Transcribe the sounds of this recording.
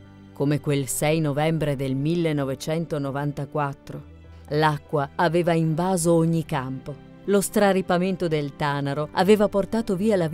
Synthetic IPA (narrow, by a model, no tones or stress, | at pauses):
komekwelsɛjnovɛmbɾed̪elmilːenːovet͡ʃɛnt̪onovant̪akwat̪ːɾo | lakːwaːveːvaiɱvaːzooɲːikampo | lost̪ɾaɾipament̪od̪elt̪aːnaɾoa̰veːvaport̪aːt̪oviːala